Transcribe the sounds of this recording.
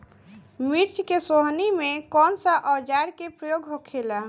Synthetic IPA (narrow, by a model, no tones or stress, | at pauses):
miɾt͡ʃkesoɦnimekɔnsəʔəd͡ʒaɾkepɾəjoɡɦokʰela